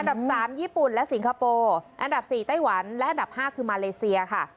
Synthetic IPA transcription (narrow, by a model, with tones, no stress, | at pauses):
ʔa˧nda˨˩p̚saː˩˦mjiː˥˩pu˨˩nlɛ˦˥si˨˩˦ŋkʰa˧poː˧ʔa˧nda˨˩p̚siː˨˩t̪a˥˩jwa˩˦nlɛ˦˥ʔa˧nda˨˩p̚haː˥˩kʰɯː˧maː˧leː˧si˧ɐkʰa˥˩